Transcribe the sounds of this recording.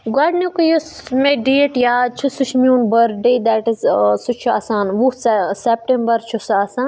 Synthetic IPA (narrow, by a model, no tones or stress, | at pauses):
ɡaɖnikujusmeɖeːʈjaːt͡ʃʰusut͡ʃʰmʲjuːnbɐɾɖejd̪aʈizsut͡ʃʰua̰ːsaːnʋussep̚ʈẽmbɐɾt͡ʃʰusaːsaːn